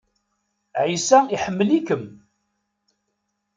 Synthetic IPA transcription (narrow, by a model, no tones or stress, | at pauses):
ʕisæiħəmːəlikəm